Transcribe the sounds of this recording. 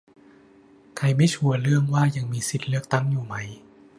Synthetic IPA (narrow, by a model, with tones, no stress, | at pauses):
kʰa˧jma˥˩t͡ɕʰu˧ɐɾɯ˥˩əŋwaː˥˩ja˧ŋmiː˧si˨˩t̪̚lɯ˥˩ək̚t̪a˥˩ŋjuː˨˩ma˦˥j